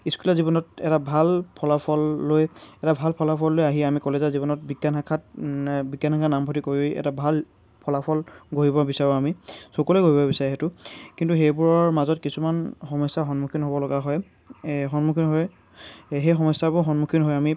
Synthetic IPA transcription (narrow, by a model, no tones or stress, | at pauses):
iskulazibɔnɔtɛtabʱalpʰɔlapʰɔlːojɛtabʱalpʰɔlapʰɔlːojaɦiɛamikɔlezazibɔnɔt̚biɡjanakʰatbiɡjanhakʰanambʱɔtikoɹiɛ̰tabʱal | pʰɔlapʰɔlɡʱoɦibɔbisaɹɔamisɔkɔleɡoɦibɔbisaɹiɦetʊkintuxejbuɹɔɹmazɔtkisumanxɔmɔsːaɦɔnmukʰinɦobɔlɔɡaɦɔj | xɔnmukʰinɦɔj | ɦejxɔmɔsːabʊɹxɔnmukʰinɦɔjami